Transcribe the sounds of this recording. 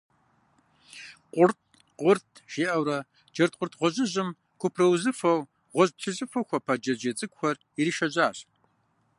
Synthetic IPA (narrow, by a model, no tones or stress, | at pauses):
qʷʼʊrt̚ʰ | qʷʼʊrtʰʃeːʔɐwɾɐ | d͡ʒɐrt̚qʷʼʊrtʰʁʷɔʑɪʑɪm | kʷʰʊpʰrɐwzɨfɐw | ʁʷɔʑpɬʰɨzʼɨfɐwxʷɐpʰɐd͡ʒɐd͡ʒɐt͡sʼɨkʷxʷɔr | iɾiʃɐʑaːɕ